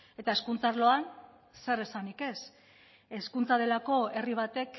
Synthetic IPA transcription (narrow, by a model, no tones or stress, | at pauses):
e̞t̪ae̞skunt͡saɾlo̞an | se̞ɾe̞sanike̞s | e̞skunt͡sað̞e̞lako̞e̞riβ̞at̪e̞k